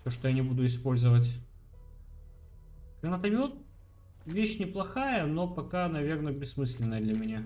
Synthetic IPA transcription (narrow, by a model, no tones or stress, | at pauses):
sʲoʂt̪ojanʲɪbud̪ʊɪspo̞lʲzəvətʲ | ɡ̥ɾɐnat̪ɐmʲot̪ | vʲeɕnʲɪplˠɐxajəno̞pɐkanɐvʲe̞rnəbʲɪsːmɨsʲlʲɪnːəjəd̪lʲɐmʲɪnʲa